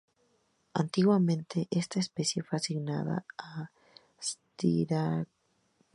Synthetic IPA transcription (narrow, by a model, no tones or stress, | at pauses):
ant̪iɣwamẽnt̪ʰe̞ʔest̪aespe̞sje̞feasiɣnaða̰a | st̪ḭɾa